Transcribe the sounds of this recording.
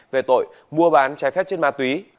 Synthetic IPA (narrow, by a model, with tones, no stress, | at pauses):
ve˨˩t̪o̰˧˨j | mu˧əɓaː˨˦nt͡ɕaː˨˦jfɛ˦˥p̚t͡ɕe˧nmaː˧˩t̪wi˨˦